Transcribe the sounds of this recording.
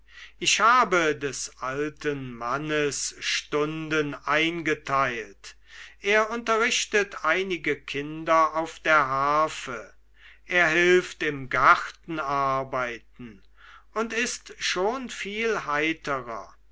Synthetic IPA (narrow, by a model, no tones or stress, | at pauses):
ʔɪɕhaːbədɛsʔaltənmanəsʃtʊndənʔaɪnɡətʰaɪlt | ʔeːɐʊntɐʁɪʃtətʰaɪnɪɡəkʰɪndɐaʊfd̥eːɐɦaːfə | ʔeːɐɦɪlftɪmɡaʁtn̩aɐbaɪt̚n̩ | ʔʊntɪstʃoːnfiːlɦaɪtʰəʁɐ̰